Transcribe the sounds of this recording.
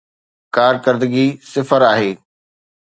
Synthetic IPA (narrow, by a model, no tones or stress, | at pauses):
kaːɾkəɾd̪əɡisɪfəɾaːɦeː